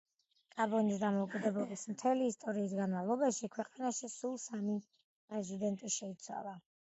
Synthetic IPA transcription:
kʼabɔnis̬d̪amɔukʼid̪ɛblˠɛbismt̪ʰɛliːst̪ʼɔɾiːsɡanmavlˠɔbaʃikʰwɛqʼanaʃisulˠsami | pʼɾɛzid̪ɛnt̪ʼiʃɛit̪sʰwa̰lˠa

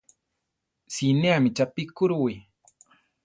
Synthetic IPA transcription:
sineamɪt͡ʃapikʊɾwi

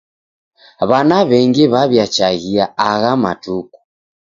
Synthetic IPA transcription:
βanaβɛŋɡɛβaβjat͡ʃaɣiaaɣama̰tuku̥

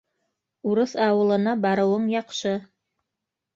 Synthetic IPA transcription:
uɾɤθɑwɤ̆lˠɤ̆nɑbɑɾɤ̆wɤɴjɑqʃɤ

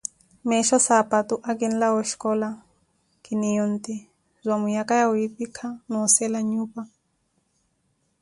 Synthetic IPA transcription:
mɛʃɔsapatuʔakin̩lawɔʃkɔla | kinijɔnt̪i | zʷamujakajauipikʰanɔsɛlaɲuːpa

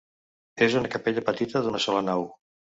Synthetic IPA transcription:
ezunəkəpeʎəpət̪it̪əðunəsɔlənaw

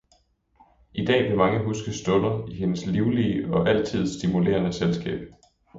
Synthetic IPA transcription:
ʔid̥ɛ̰ːʋe̝mɑ̈ŋəɦusɡ̥əsd̥ɔ̽lɐiɦe̝nəsliʊliəɒ̽ʔæl̰t͡sʰið̞̰ˠsd̥imule̝̰ːɐnəselsɡ̥ɛ̰ːb̥

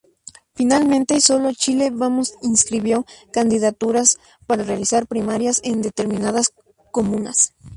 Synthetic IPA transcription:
finalmẽnt̪e̞so̞lo̞t͡ʃile̞βamosinskɾiβjo̞kand̪iðat̪uɾas | paɾarealisaɾpɾimaɾjase̞nd̪e̞t̪e̞ɾmĩnað̞as | ko̞mũnas

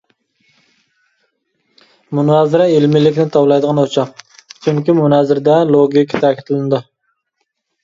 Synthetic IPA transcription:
munɑzɪɾɛelmɪlɪkʲnɪt̪ʰɑwlˠɑjd̪əʁɑnot͡ʃʰɑqt͡ʃʰyŋkʲimunɛzɪɾd̪ɛlˠoɡʲikʰʲːət̪ʰækʲʰi̥t̪ʰɪlɪnɪd̪u

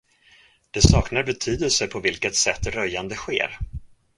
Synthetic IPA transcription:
d̪̥ɛsɑːknaɾbɛt̪ʰyːd̪əlsəpʰɔvɪlkət̪sɛt̪ːɾœjːand̪əɧḛːɾ

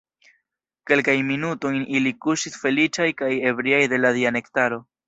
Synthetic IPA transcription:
ke̞lkajnminuto̞jnilikuʃisfe̞lit͡ʃajkaje̞bɾiajde̞ladiane̞ktaɾo̞

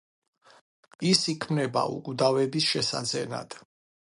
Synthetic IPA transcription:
isikʰmnɛba̰ṵkʼud̪avɛbisʃɛsa̰d̪zɛna̰d̪̥

